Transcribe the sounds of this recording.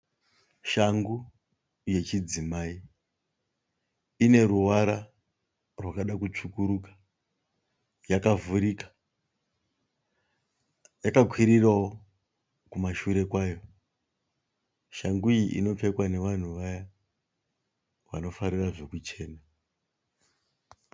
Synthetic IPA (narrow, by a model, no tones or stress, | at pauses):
ʃaŋɡu | je̞t͡ʃid͡zimaːi | ine̞ɾuwaɾa | rwakaɗakut͡ʂukuɾukḁ | jakavuɾikḁ | jakakʰwiɾirawo | kumaʃuɾe̞kwaːjo̞ | ʃaŋɡujiʔḭno̞p͡fe̞kwane̞ʋan̤uʋaja | wa̰no̞faɾiraʐo̞kut͡ʃe̞ːna